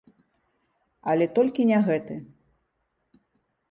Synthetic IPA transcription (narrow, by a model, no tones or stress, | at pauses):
ɐlʲɛt̪ɔlʲkʲinʲɛɣɛt̪ɨ